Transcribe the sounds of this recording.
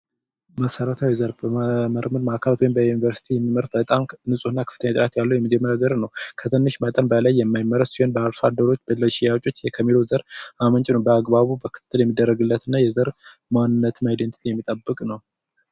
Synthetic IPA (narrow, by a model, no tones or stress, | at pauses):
məsəɾət̪ʰawizəɾbəməɾmɨɾmakʰəlat̪winbəjunivəɾsi̥t̪ʰijɛmːiməɾb̥ət̪ʼamnɨsʼuɨnːakʰɨ̥fɨt̪ʰəɲːat̪ʼɾat̪jalːəwjɛməd͡ʒɛmːəɾjazəɾnəwkʰət̪ʰɨnːɨʃmət̪ʼənbəlajːɛmːajmːəɾəswɛnbəaɾsad̪ːəɾo̞t͡ʃːb̥əlːəʃijat͡ʃʼo̞t͡ʃːjɛkʰəmːilozəɾamənt͡ʃʼnəwbəaɡbaβubəkʰɨ̥t̪ɨt̪ʰːɨljɛmːid̪ːərːəɡɨlːət̪ʰɨnːajɛzəɾ | manːɨnːət̪ʰɨnajd̪ent̪ʰit̪ʰijɛmːit̪ʼəbːɨkʼnəw